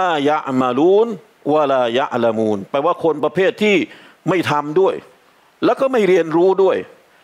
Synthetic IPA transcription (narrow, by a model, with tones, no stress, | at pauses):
laː˧ja˦ʔma˧luː˥n | wa˧laː˧ja̰˦ʔla˧muː˧npɛ˧waː˥˩kʰo˧npɾa˧pʰeː˥˩t̪ʰːiː˥˩ | ma˥˩jt̪ʰa˧mdu˥˩əj | lɛː˦˥wkɔː˥˩ma˥˩jɾi˧ənɾuː˦˥du˥˩əj